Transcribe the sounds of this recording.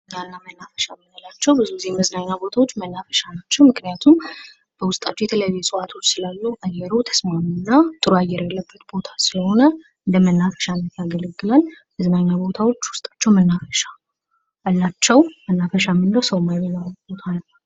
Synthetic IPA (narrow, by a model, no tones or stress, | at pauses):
nanːamənːafə̥ʃamɨnəlat͡ʃːɛwbɨzuɨziheməznaɲːabo̞t̪ʰawo̞t͡ʃːmənːafə̥ʃanat͡ʃːɛwmɨknijat̪ʰum | b̥əwʊst̪ʼat͡ʃːjɛt̪ʰələjɛsʼɨʔat̪ʰo̞t͡ʃːsɨlalːuʔajːɛɾot̪ʰə̥smamunːat̪ʼɨɾuajɛɾjɛlːəbːət̪bo̞t̪ʰḁsɨləho̞nə | ɨnd̪əmənːafə̥ʃanːət̪jaɡələɡːɨlal | məznaɲːabo̞t̪ʰawo̞t͡ʃːwʊst̪ʼḁt͡ʃːɛwmənːafəʃaː | lːat͡ʃːɛwmənːafəʃamɨndəwsəwmajbəlalːbo̞t̪ʰanəw